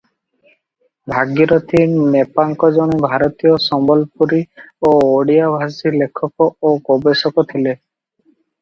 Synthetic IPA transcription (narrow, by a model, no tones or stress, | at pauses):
bʱaɡiɾɔt̪ʰinepaŋkɔd͡ʒonibʱaɾɔt̪ijɔsɔmbɔlpuɾiooɽiabʱasilekʰːɔkɔokobesɔkɔt̪ʰile